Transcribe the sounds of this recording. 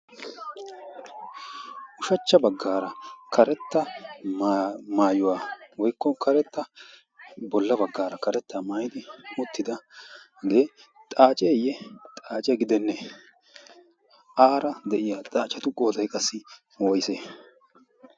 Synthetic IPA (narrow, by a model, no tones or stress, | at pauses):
ʔʊʃɐt͡ʃːɐbɐɡːaːɾɐkʰɐɾɛt̪ːɐ | maːjʊwaːwɔjkːɔkɐɾɛt̪ːɐ | bɔlːɐbɐɡːaːɾɐkɐɾɛt̪ːamaːjɪd̪ɪmʊt̪ːɪd̪ɐ | ɡeːt̪ʼaːt͡ʃʼɛjɛt̪ʼaːt͡ʃʼɛɡɪd̪ɛnːɛ | ʔaːɾɐd̪ɛʔɪjaːt̪ʼaːt͡ʃʼːɐt̪ʊkʼoːd̪ɐjkʼɐsːɪ | wɔjse